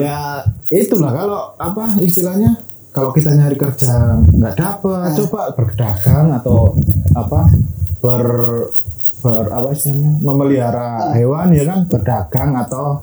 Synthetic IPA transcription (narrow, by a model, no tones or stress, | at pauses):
jait̪ulahkaloapaist̪ilahɲa | kalokit̪aɲaɾikərd͡ʒaŋŋɡaʔd̥apət̚t͡ʃobaʔb̥ərɡəd̥aɡ̥aŋat̪awapab̥ər | b̥əra̰paist̪ilahɲaməməliaɾaɦewanjakanb̥ərdaɡ̥aŋat̪aw